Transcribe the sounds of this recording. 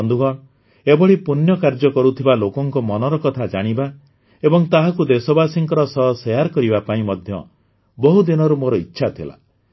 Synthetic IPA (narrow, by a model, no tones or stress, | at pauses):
ɔnd̪uɡɔɽ̃ | ebɔɭipunjɔkaɾd͡ʒɔkɔɾut̪ʰibalokɔŋkɔmɔnɔɾɔkɔt̪ʰad͡ʒaɽ̃iba | ebɔŋt̪aɦakud̪esɔbasiŋkɔɾɔsɔɦsejaɾkɔɾibapaĩmɔd̪ʱjɔ̰ | bɔɦud̪inɔɾumoɾɔitːʃʰat̪ʰila̰